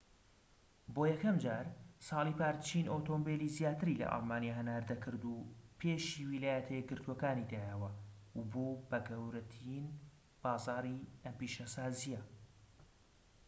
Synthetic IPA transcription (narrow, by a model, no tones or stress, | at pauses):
bojɛkʰɐmd͡ʒaːɾsɑːlˠipaːɾt͡ʃʰiːnʔot̪ombelizjaːt̪ɨɾilɐ̰ʔɑ̰lˠmaːnijaɦɐnaːɾd̪ɐkʰɨɾd̪upʰeːʃiːwilaːjɛt̪ʰɛɛɡɨɾt̪ʰuokaːnid̪aːjɛwɐwboːbɐɡɐwɾɐt̪ʰin | b̥aːzɑːɾiɐmpiʃasaːzijɛ